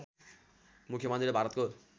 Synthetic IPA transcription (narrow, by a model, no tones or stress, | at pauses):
mukʰjemʌnd̪ibʱaɾʌt̪̚ko